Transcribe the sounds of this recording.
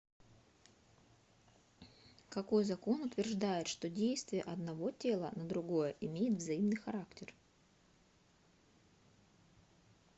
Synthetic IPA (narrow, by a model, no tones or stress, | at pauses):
kɐko̞jzɐko̞nʊt̪vʲɪrʐd̪ajɪt̪ʂt̪o̞dʲejst̪vʲɪjəʔɐd̪nɐvo̞tʲe̞lˠənəd̪ɾʊɡo̞jəʔɪmʲejɪt̪vzɐimnɨjxɐɾaktʲɪr